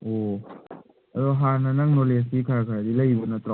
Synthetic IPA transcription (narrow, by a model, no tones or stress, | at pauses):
ʔoː | aɾoɦananaŋnolesikʰakʰadilaibonat̪ɾɔ